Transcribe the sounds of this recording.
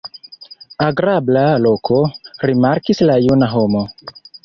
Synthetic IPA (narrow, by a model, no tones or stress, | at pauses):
aɡɾablalo̞kʰo̞ɾimaɾkislajunaɦomo̞